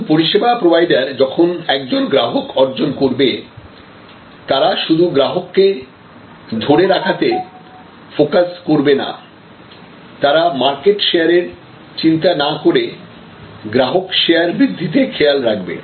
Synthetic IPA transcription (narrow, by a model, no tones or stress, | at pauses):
poɾiʃebapɾobajɖaɾd͡ʑɔkʰonɛk̚d͡ʑonɡɾaɦokɔɾd͡ʑonkoɾbe | t̪aɾaʃud̪ʱuɡɾaɦokːe | d̪ʱoɽeɾakʰat̪e | fokaskoɾbena̰ | t̪aɾamaɾkeʈʃeaɾeɾ | t͡ɕint̪anakoɾe | ɡɾaɦokʃejaɾbɾid̪ʱːit̪ekʰealɾak̚bḛ